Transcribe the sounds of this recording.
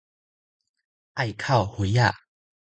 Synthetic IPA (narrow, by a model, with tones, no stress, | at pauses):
ʔa˥˧˨jkʰa˥˨whwe˨˧˦a˥˨